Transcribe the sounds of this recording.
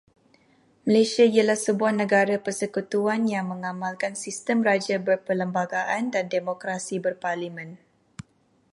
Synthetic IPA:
məlesiaialahsəbuahnə̃ɡaɾapərsəkut̪uanjaŋmə̃ŋamalkansist̪əmrad͡ʒabərpələmbaɡaʔandandemokɾasibərparlimɛ̃n

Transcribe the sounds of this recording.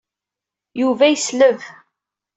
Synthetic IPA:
juvæjəsləv

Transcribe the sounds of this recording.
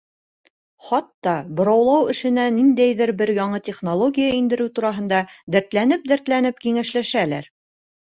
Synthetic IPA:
χɑt̪ːɑbŏɾɑwlˠɑwɘ̆ʃɘ̆nænind̪æjðɘɾbɘɾjɑɴɤt̪ʲeχnolˠoɡʲijaind̪ɘ̆ɾɘwt̪uɾɑɦɤ̆nd̪ɑd̪æɾt̪lænɘp̚d̪æɾt̪lænɘp̚kiŋæʃlæʃælæ̰ɾ

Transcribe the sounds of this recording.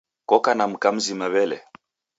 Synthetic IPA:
kɔkanam̩kam̩zimaβɛlɛ̰

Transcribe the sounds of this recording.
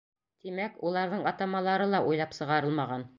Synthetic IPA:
t̪imækulˠɑɾðɤɴɑt̪ɑmɑlˠɑɾɤlˠɑʔujlˠɑpsɤ̆ʁɑɾɤlˠmɑʁɑn

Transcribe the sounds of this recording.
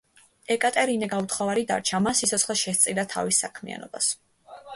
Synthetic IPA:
ɛkʼat̪ʼɛɾinɛɡaut̪χɔvaɾid̪a̰ɾt͡ʃʰamasit̪sʰɔtsχlɛʃɛst̪sʼilat̪ʰa̰visːakʰmḭa̰nɔ̰bas

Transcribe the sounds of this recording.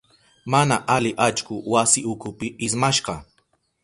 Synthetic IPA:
manaʔalɪʔat͡ʃkʊwasɪʊkʊpɪʔɪsmaʃɢɑ

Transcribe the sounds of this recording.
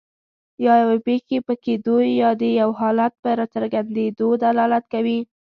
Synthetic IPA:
jɑjawepexepəked̪ujːɑd̪əjawɦɑlat̪̚pəɾɑt͡səɾɡand̪ed̪od̪alɑlat̪kawi

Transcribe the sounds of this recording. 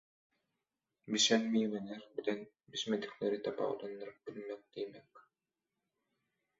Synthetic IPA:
biʃɛnmiːmɛnɛɾbit̪ɛn | bismɛt̪i̥klɛɾit̪apa̰ṵt̪ɔnːaɾbilmɛk̚d̪ijmɛk

